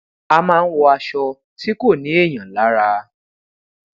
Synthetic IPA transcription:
a˧mãː˦˧n̩˦wɔ˧a˧ʃɔ˧ | ti˦ko˦˨nĩ˨˦e˦˨j̃ã˨˦˨la˨˦ɾa˧

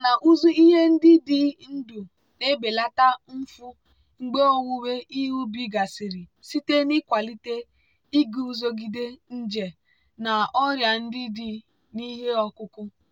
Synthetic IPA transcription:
na˨ʔu˦zu˦i˦ɦe˦n̩˦dɪ˦di˦n̩˦du˨ | ne˦be˨la˦ta˦m̩˦fʊ˦ | ŋ͡m̩˦ɡ͡be˦o˦ŋʷu˦we˦ʔi˦ɦu˦bi˦ɡa˨si˨ɾi˨si˦te˦ni˦kʷa˨li˦te˦ | i˦ɡu˨u˦zo˦ɡi˦de˦n̩˦d͡ʒe˨ | na˨ɔ˦ɾja˨n̩˦dɪ˦di˦ | ni˦ɦe˦ɔ˦kʊ˦kʊ˦

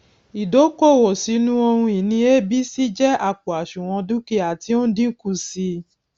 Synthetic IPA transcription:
i˨do˨˦ko˦˨wɔ˨si˨˦nũ˦o˧hũ˧i˨nĩ˧e˦bi˦si˦d͡ʒɛ˦a˦˨k͡pu˨a˨ʃũ˨w̃ɔ̃˧du˦ki˦a˨ti˧˦o˦dĩ˦ku˦˨si˧

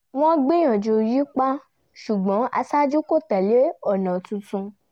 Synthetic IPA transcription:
w̃ɔ̃˦ɡ͡be˦j̃ɔ̃˨d͡ʒo˧ji˦k͡pa˦ | ʃu˨ɡ͡bɔ̃˨˦ʔa˧sa˦d͡ʒu˦ko˦˨tɛ˨le˨˦ɔ˦˨nã˨tũ˨˧tũ˧

